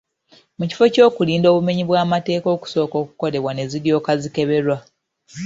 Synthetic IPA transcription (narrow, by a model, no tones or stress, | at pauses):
muci̥fo̞co̞ːkuliːndo̞ːβume̞ɲiβwaːmate̞ːko̞ːku̥so̞ːko̞ːku̥ko̞le̞βwane̞ziɾjo̞ːkazike̞βe̞ɾwa